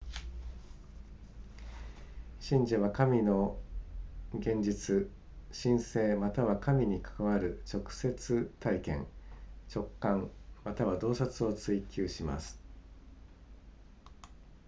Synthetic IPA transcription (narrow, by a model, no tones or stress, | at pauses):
ɕĩɲ̟d͡ʑaβakamʲino̞ | ɡẽ̞ɲ̟d͡ʑit͡sɨ | ɕĩɰ̃se̞ːmat̪aβakamʲiɲ̟ikḁkaβaɾɯ̟t͡ɕo̞kɯ̟̥se̞t͡sɨt̪aikẽ̞̰ŋt͡ɕo̞kːãŋmat̪aβad̪o̞ːsat͡sɨo̞t͡sɨikʲɨːɕima̰sɨ̥